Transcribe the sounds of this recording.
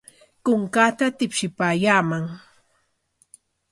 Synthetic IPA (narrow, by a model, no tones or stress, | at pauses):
kʊŋkat̪at̪ɪpʃɪpaːjaːmaŋ